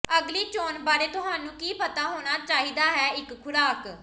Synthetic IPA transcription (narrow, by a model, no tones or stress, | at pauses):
əɡliːt͡ʃoːnbaːɾeːt̪ʊɦaːnũːkiːpət̪aːɦoːñaːt͡ʃaːɦiːd̪aːɦɛːɪkkʰʊɾaːk